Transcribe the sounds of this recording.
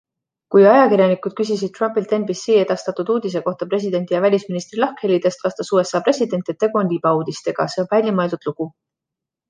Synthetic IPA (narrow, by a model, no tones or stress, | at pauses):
kujɑjɑkiɾjɑnikˑud̪̥kys̬is̬id̪̚t̪rɑmpilt̪e̞nbisːiːe̞d̪̥ɑst̪ɑt̪ːud̪uːd̪̥is̬e̞ko̞ht̪ɑpre̞s̬ʲid̪e̞nt̪ijɑvælʲisminist̪rilɑhkhelːid̪̥e̞st̪vɑst̪ɑsuːe̞sːɑːpre̞sʲid̪e̞nt̪ːˑet̪ːekonʲlʲib̥ɑuːd̪ist̪e̞ɡ̥ɑse̞o̞nvælʲjɑmɑeld̪ud̪̥luɡ̥u